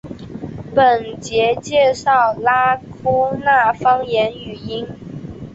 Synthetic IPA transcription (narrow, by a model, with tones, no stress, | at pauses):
pə˨˩nt͡ɕjɛ˧˥t͡ɕjɛ˥˧ʂɑ˥˩ʊla˥kʰu˥na˥˩fɑ˥ŋjɛ˧˥ny˨˩i˥n